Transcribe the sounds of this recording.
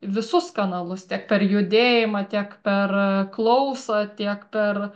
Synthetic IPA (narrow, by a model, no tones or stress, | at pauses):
ʋʲɪsʊskɐnɐlˠʊst̪ʲiɛk̚pʲɛrjʊd̪ʲeːjɪmɐt̪ʲiɛkpʲɛrklˠɐʊsɐt̪ʲiɛkpʲɛr